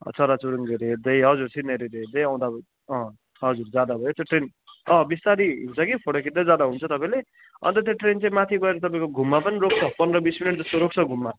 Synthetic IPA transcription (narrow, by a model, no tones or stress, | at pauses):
t͡sʌɾat͡suɾuŋɡeɾeɦed̪ʌjɦʌd͡zuɾt͡sʰĩneɾed̪eɦed̪ʌjãw̃d̪a | ʌ̃ | ɦʌd͡zurd͡zjad̪abʱʌjot̪eʈrenʌ̃bist̪aɾiɦint͡sʰʌkipʰoɽokʰiʈd̪ad͡zad̪aɦunt͡sʰʌt̪ʌpãĩle | ʌ̰nt̪ʌt̪̬eʈrent͡saĩmat̪ʰiɡʌeɾʌt̪̬ʌpaĩkoɡʱumːapʌniɾok̚t͡sʰʌpʌnrʌbisminiʈ̚d͡zʌst̪oɾok̚t͡sʰʌɡʱumːa